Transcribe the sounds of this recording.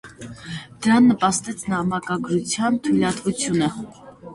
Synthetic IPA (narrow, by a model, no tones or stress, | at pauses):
d̪̥əɾɑnːəpɑst̪ɛt͡sʰnɑmɑkɑɡɾut͡sʰjɑnt̪ʰujlɑt̪vut͡sʰjunə